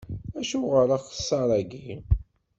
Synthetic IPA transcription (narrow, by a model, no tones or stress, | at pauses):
æʃuʁəɾɑχə̥sːɑɾˤæɡi